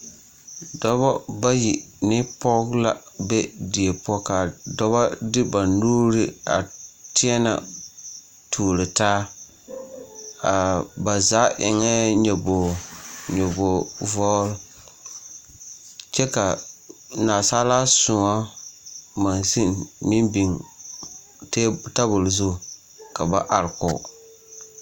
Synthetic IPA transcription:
dɔ˦bɔ˦ba˦ji˨nɪ˦pɔ˦kla˨be˦di˨e˨pɔ˦ka˨dɔ˦ba˦dɪ˦ba˨nuː˦ɾɪ˦a̰˨tɪ˦ɛ˦na̰˨ | tʰuː˨ɾɪ˨taː˦ | a˨ba˨za˦ʔɪ˨ŋɛ˦ɲɛ˨bo˨ɲo˨bo˨vɔ˦l | t͡ʃɛ˦ka˨naː˨sa˦la˦sʊ˨ŋa˦ | ma˨nsi˦nmi˦mbi˨ŋ | tːta˦bʊ˨lzʊ˦˨ | ka˨ba˦ʔa˨ɾkʊ˨

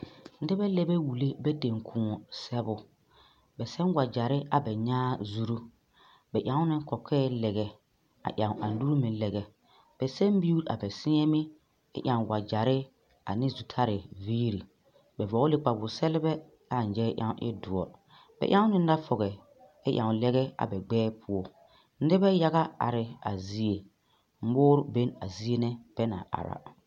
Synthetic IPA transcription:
n̩˦dɪ˦bɛ˦lɛ˦bɛ˦wu˨le˦bɛ˦de˨ŋkʰũ˨ɔ˨sɛ˦bʊ˦ | bɛ˨sɛ˦nwa˨d͡ʒa˨ɾɪ˦a˨bɛ˨ɲaː˦zu˦ɾu˦ | bɛ˨ʔjã˨˦ŋʊ˦nɪ˦kɔ˨kʰɛː˦lɛ˨ɣɛ˨ | a̰˨ʔã˨ŋ˨ʔa˨n˨˦du˦ɾu˦mɪ̃˨˦lɛ˨ɣɛ˨ | b̥ɛ˨sɛ˦mbi˦u˦ɾa̰˨bɛ˨sɪ˦ɛ˦mɪ˦ | ɪ̰˦ʔjã˨ŋwa˨d͡ʒa˨ɾɪ˦ | a̰˨nɪ˦zu˨tʰa˦ɾɪ˨viː˦ɾi˨ | bɛ˨vɔ˨˦lɪ˦k͡pa˨bʊ˨sɛ˦lɪ˦bɛ˦ | a˦˨n˨d͡ʒɛ˦ʔja̰˦˨ŋ˦ʔɪ̰˦du˨ɔ̰˨ | b̥ɛ̰˨ʔa˦ŋʊ˦nɪ˦n˦da˦fɔ˨ɣɛ˨ | ɪ˦ʔã̰˨ŋ˨lɛ˦ɣɛ˦a̰˨bɛ˨ɡ͡bɛː˦pʰʊ˦ɔ˦ | n̩˦dɪ˦bɛ˦ja˦ɣa˦a̰˨ɾɪ˨a̰˨zi˦e˨ | m̩˦boː˦ɾʊ˦be˦na˨zi˦e˦nɪ˦b̥ɛ˦na̰˨ʔa̰˨ɾa̰˨

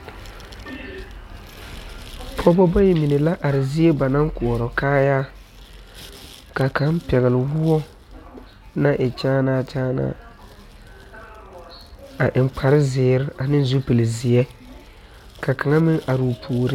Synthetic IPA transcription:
pʰɔ˦bɔ˦bɔ˦jɛ˨mi˨ne˨la˦ʔa˨ɾɪ˨zɪ˦e˦ba˨na˦ŋkʊ˨ɔ˨ɾɔ˨kaː˦jaː˦ | ka˨ka˨˦n˦pɛ˨ɣɪ˨lɪ˨wʊ˦ɔ˦ | na˦ʔɪ˨t͡ʃaː˦naː˦˨t͡ʃaː˦na̰ː˦ | a˨ʔɪ˨mk͡pʰa˨ɾɪ˦zɪː˨˦ɾɪ˦a˨nɪ˦n˦zu˦pe˨lɪ˨zɪ˨ɛ˦ | ka˨ka˨ŋa˦mɪ˦ŋa˨ɾu˨pʰuː˨ɾɪ˦

